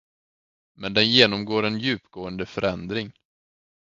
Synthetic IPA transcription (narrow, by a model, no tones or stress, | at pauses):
mɛnd̪ɛnjeːnɔmɡoːɾɛnjʉ̟ːpɡ̥oːənd̪əfœɾɛnd̪ɾɪŋ